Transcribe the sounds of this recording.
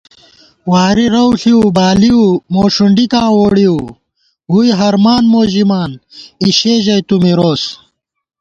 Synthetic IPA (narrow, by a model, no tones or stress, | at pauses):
waːɾiɾɐwɬiubaːliumoːʂuɳɖikãːwoːɽiu | ɡujɦɐɾmaːnmoːʑimaːniɕeːʑɐjt̪umiɾoːs